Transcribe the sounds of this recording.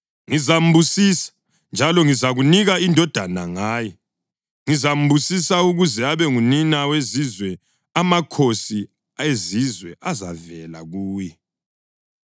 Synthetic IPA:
ŋizam̩busisḁ | nd͡ʒʱalɔŋizaɣuniɣaindʱɔd̥ʱana̰ŋaːjɛ | ŋizam̩busisauɣuzɛaβɛŋuninawezizwɛ | amakʰosi | ezizwɛʔaza̰vɛla̰ɣuːjɛ

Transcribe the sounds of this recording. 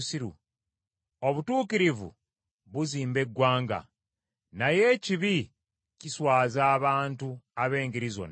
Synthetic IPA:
siɾṵ | o̞βutuːkiɾivṵ | βuziːmbe̞ɡːwaːŋɡa̰ | naje̞ciβi | ciswaːzaːβaːntuaβe̞ːŋɡiɾizo̰n

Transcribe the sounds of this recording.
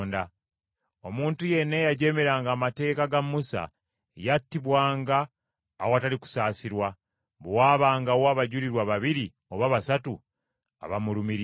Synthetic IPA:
nda | o̞muːntuje̞nːejaɟe̞me̞ɾaːŋɡaːmate̞ːkaɡamːusa̰ | jatːiβwaːŋɡaː | woataliku̥saːsiɾwa | βwaːβaːŋɡawaβaɟuɾiɾwaβaβiɾi | oβaβasatu | a̰βamulumiɾ

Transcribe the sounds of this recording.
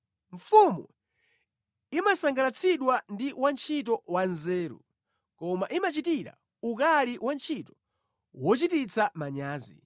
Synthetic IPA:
ɱfumu | imasaŋɡalat͡sʰiɗwandiwant͡ʃʰit̬ɔwanzɛːɾṵ | kɔmaʔimat͡ʃitiɾa̰ | ukaliwant͡ʃʰitɔ̥ | wɔt͡ʃitit͡sʰamaɲaːzḭ

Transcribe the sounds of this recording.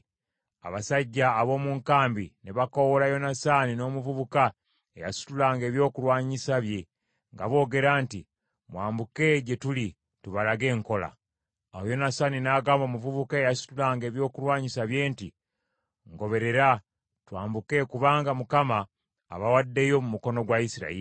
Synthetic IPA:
a̰βasaɟːaːβo̞ːmuːŋkaːmbineβako̞wolajo̞nasanino̞ːmuvuβuka | eja̰su̥tulaːŋɡe̞ːβjo̞ːkulwaːɲisaβje̞ | ŋɡa̰βo̞ːɡe̞ɾaːnti | mwaːmbuke̞ɟe̞tuli | tuβalaɡe̞ːŋko̞la̰ | awojo̞nasaːninaːɡaːmbo̞ːmuvuβukaejasu̥tulaːŋɡe̞ːβjo̞ːkulwaːɲisaβje̞ːnti | ŋɡo̞βe̞ɾe̞ɾa | twaːmbuke̞kuβaːŋɡamukama̰ː | βawadːe̞jo̞mumuko̞no̞ɡwaisiɾa̰iɾi

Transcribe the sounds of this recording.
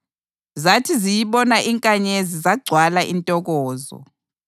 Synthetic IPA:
zatʰizijiɓɔnaʔiŋkʼaɲezizaɡ͡ǀʱwalaʔintʼɔɣɔːzɔ̰

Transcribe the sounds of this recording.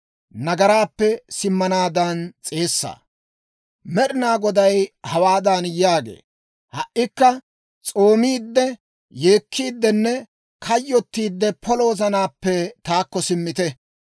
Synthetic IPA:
nɐɡɐɾaːpːɛsɪmːɐnaːd̪ɐnt͡sʼe̞ːsːa̰ː | mɛɗɪnaːɡɔd̪ɐjhɐwaːd̪ɐnjaːɡḛː | hɐʔːɪkːɐ | t͡sʼo̞ːmiːd̪ːɛ | je̞ːkʰːiːd̪ːɛnːɛ | kʰɐjːɔt̪ːiːd̪ːɛpʰɔlo̞ːzɐnaːpːɛt̪aːkːɔsɪmːɪt̪ɛ

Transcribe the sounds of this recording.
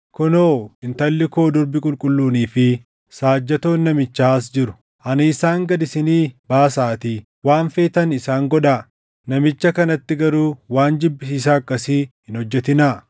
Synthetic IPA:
kɔnoːɪnt̪ɐlːɪkoːd̪ɔɾbɪkʼʊlkʼʊlːuːniːfɪ | saːd͡ʒːɐt̪o̞ːnːɐmɪt͡ʃːaːs̬d͡ʒɪɾʊ̥ | ʔɐnɪɪsaːŋɡɐd̪ɪsɪniːbaːsaːt̪iː | waːnfe̞ːt̪ɐnɪsaːŋɡɔᶑaː | nɐmɪt͡ʃːɐkɐnɐt̪ːɪɡɐɾuːwaːnd͡ʒɪbːɪsiːs̬aːkːɐsiːhɪnhɔd͡ʒːɛt̪ɪnaː

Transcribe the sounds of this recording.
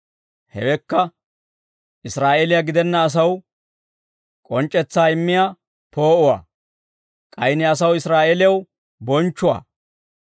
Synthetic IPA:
hɛwɛkːɐ | ʔɪsɾaːʔeːlɪjɐɡɪd̪ɛnːɐːs̬ɐw | kʼɔnt͡ʃʼːɛt͡sːaːɪmːɪjaː | po̞ːʔʊwa̰ː | kʼɐjnɪɐs̬ɐwɪsɾaːʔeːlɪjɐw | bɔnt͡ʃːʊwa̰ː

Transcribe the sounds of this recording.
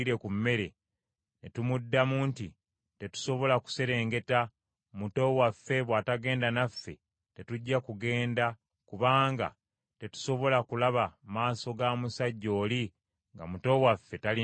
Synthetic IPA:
iɾe̞kumːe̞ɾe̞ | netumudːamuːntḭ | te̞tu̥so̞βo̞laku̥se̞ɾe̞ːŋɡe̞ta | muto̞wafːe̞βwaːtaɡe̞ːndanafːe̞ | te̞tuɟːakuɡe̞ːnda | kuβaːŋɡa̰ | te̞tu̥so̞βo̞lakulaβamaːso̞ɡaːmusaɟːo̞ːli | ŋɡa̰muto̞wafːe̞tali

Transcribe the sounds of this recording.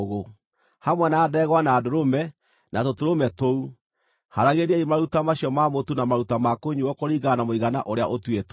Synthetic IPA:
ɣo | hamwɛnaːdɛɣwanaːdoɾomɛ | nʔatotoɾomɛtou | haɾaɣeɾaimaɾutamaɕiɔmamotunamaɾutamakoɲuwɔkoɾiɡanamoiɣana̰ʔoɾeaʔotwet

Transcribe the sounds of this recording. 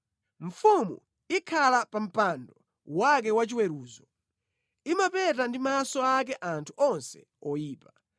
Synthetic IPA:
ɱ̩fumṵ | ikʰalapam̩pandɔ | wak̬ɛwat͡ʃiwɛɾuːzɔ | imapɛtandimasɔak̬ɛʔantʰuʔɔnsɛ̰ | ɔjiːpa

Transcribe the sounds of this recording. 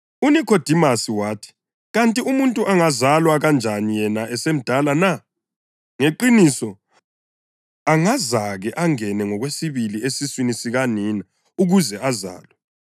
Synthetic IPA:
unikʰɔd̥ʱimasiwaːtʰi̥ | ɣantʼiumuntʼuʔaŋazalwaɣand͡ʒʱanijɛnaʔɛsem̩d̥ʱalana | ŋeǃinisɔ | aŋazaɣɛʔaŋɛnɛŋɔɣwesiβiliesiswinisiɣaniːna | uɣuzɛʔaza̰ːlwɛ

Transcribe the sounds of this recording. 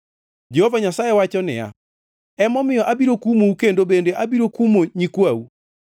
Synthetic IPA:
d͡ʒehovaɲasajewat͡ʃɔnɪ̰ja̰ | ɛmɔmɪjɔʔabiɾokumoukendobendeʔabiɾokumoɲikwau

